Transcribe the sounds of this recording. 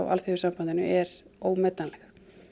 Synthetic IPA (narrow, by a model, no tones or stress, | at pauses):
wʔa̰lθeʏ̥ɾsampant̪ɪnʏ̰ʔɛɾoːwmɛːt̪nanlɛx